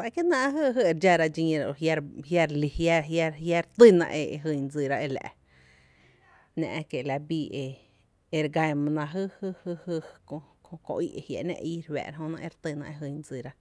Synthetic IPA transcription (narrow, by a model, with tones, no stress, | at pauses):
a˧ke˦nã˦˧˦ɦɨ˦ɦɨ˦e˧ɾd͡ʒa˧ɾa˧d͡ʒĩ˧ɾja˧ɾhja˧ɾli˧hja˦ɦja˦ja˦ɾt̪ɨ˦nã̰˧ʔe˧e˧ɦɨ˧ɲd͡zi˧˨ɾa˧ʔe˧læ̰˨ʔ | nã̰˧ʔke˨˧la˧biː˧ʔe˧ | e˧ɾɡa˧mã˧nã˧ɦɨ˦hɨ˦˧hɨ˦˧hɨ˧kõ˧kõ˧kõ̰˧ʔi˦˧ʔe˧hja̰˨nḛ̃˧ʔi˧ɾwɛ̰ː˧˨ɾa˧ɦõ˧nã˧ʔe˧ɾt̪ɨ˧nã̰˧ʔe˧ɦɨ˧ɲd͡zi˧˨ɾa˧